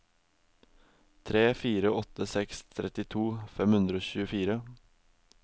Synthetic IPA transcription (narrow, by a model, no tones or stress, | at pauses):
t̪ʰɾeːfiːɾəɔt̪əsɛkst̪ʰɾʔɛt̪ɪt̪ʰuːfɛmhʉnd̪ɾəoːçʉːəfiːɾə